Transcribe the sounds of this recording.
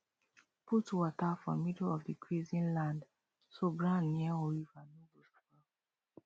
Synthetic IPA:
pʰutwɔtafɹɔ̰̃midl̩ɔvdikʰɹizĩnlãnd | soɡɹãnːiaɔɹivanubuska

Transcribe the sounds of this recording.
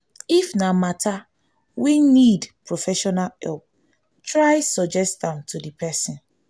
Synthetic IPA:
ifnamatʰa | winidpɹofɛʃɔnalhɛ̰lp̚ | tʰɹaɪsɔd͡ʒɛstãmtʰudipʰɛsĩn

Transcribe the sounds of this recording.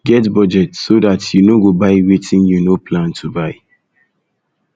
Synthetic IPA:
ɡɛtbɔd͡ʒɛtsodatjunoɡobaɪwitʰĩnjunopʰlãntʰubaɪ

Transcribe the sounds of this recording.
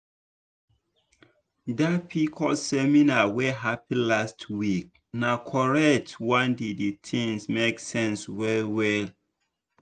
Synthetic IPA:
dapʰikʰɔsɛminawɛɦapĩlastʰwik̚ | nakʰɔɹɛk̚twãndiditʰĩŋsmeksɛ̃nswɛlwɛl

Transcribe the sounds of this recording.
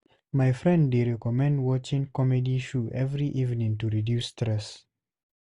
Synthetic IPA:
majfɹɛ̃ndːeɹɛkɔmɛ̃ndwɔt͡ʃĩŋkɔmɛdiʃuʔɛvɹiʔivnĩŋtuɹidjustɹɛs

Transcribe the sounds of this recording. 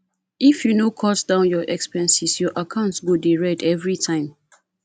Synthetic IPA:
ifjunokʰɔtdãʊ̃njɔʔɛkspɛ̃nsisjɔʔakʰãʊ̃ntsɡodeɹɛdɛvɹitʰãɪ̃m

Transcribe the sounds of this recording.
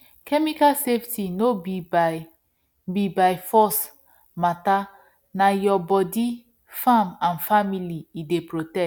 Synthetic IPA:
kɛmikalseftinobib | bibajfɔs | mata | najɔbɔdi | fãmãnfamiliidepɹotɛ

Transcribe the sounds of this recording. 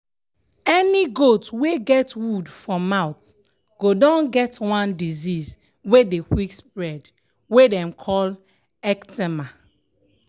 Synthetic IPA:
ɛniɡotweɡɛtwudfɹɔ̃mːaʊt | ɡ̥odɔ̃nɡɛtwãndiziz | wedekwikspɹɛd | wedɛ̃mkʰɔl | ɛktɛma

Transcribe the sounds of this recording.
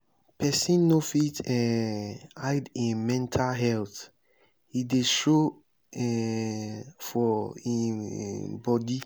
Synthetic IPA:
pʰɛsĩnːofitɛ | aɪdĩmɛ̃ntʰalɦɛlθ | hideʃo | ɛ | fɔḭ | bɔdi

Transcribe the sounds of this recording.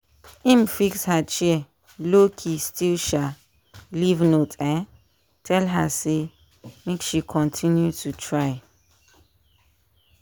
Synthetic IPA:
ĩmfikshat͡ʃiə | lokʰistilʃa | livnotɛ̃n | tʰɛlɦa̰se | mekʃikʰɔ̃ntʰĩnjutʰutʰɹaɪ

